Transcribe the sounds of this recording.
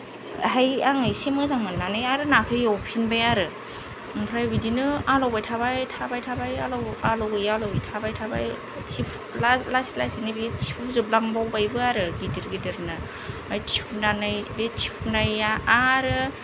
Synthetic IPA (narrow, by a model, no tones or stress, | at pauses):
ɦajaŋɯjsimɯzaŋmanːanɯjaɾɯnakʰɯjawpʰinbajaɾɯ | pʰɾajbidinɯalawbajtʰabajtʰabajtʰabajalawalawɯjalawitʰabajtʰaba̰j | tʰipʰ | lalastlasinɯbitʰipʰuzɯblaŋbawbajbɯaɾɯɡidiɾɡideɾna | ajtʰipʰunanɯjbetʰipʰnajaaɾɯ